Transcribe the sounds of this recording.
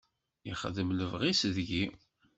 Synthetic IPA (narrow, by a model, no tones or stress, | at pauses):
jiχəðəmləvʁisðʝi